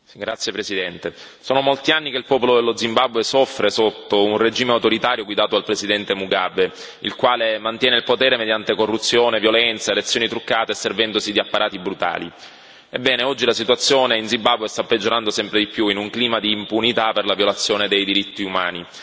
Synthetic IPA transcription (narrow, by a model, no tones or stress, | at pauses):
ɡɾat̪sːjepɾesid̪ɛnt̪esoːnomolt̪ianːikeilpɔːpolod̪elːod̪zimbabːwesɔfːɾesot̪ːounred͡ʒiːmeawt̪oɾit̪aːɾjoɡwid̪aːt̪oalpɾesid̪ɛnt̪emuɡabːe | ḭlkwaːlemant̪jɛːneilpot̪ɛːɾemed̪jant̪ekorːut̪sːjoːnevjolɛnt̪saelet̪sːjoːnit̪ɾukːaːt̪esːervɛnd̪osid̪iapːaɾʔaːt̪ibɾut̪a̰ːli | ebːɛːneɔd͡ʒːilasit̪uat̪sːjoːneinzimbabːwest̪apːed͡ʒːoɾand̪osɛmpɾed̪ipːjuinuŋkliːmad̪iːmpunit̪aperlavjolat̪sːjoːned̪ejd̪iɾit̪ːiuma̰ːni